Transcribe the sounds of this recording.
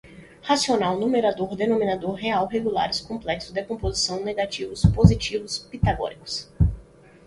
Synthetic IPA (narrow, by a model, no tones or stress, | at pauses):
hasionawnumeɾad̪oɾd̪enõmĩnad̪oɾɦeawɦeɡula̰ɾɪskõplɛksʊzd̪ekõpozisɐ̃w̃neɡat͡ʃivʊspozit͡ʃivʊspit̪aɡɔ̰ɾikʊ̥s